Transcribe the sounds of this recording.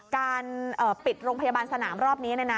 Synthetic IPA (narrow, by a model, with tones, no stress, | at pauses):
kaː˧nʔʔɤː˨˩pi˨˩t̪̚ɾoː˧ŋpʰa˧jaː˧baː˧nsa˧naː˩˦mɾɔː˥˩p̚ni˦˥na˧˩jna˦˥